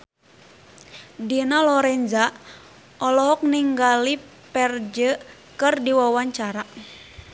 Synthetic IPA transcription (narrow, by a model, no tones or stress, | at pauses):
dinalɔɾɛnd͡ʒa | ʔɔlɔɦɔk̚niŋɡali | pɛrd͡ʒə | kɨrdiwawaɲt͡ʃaɾa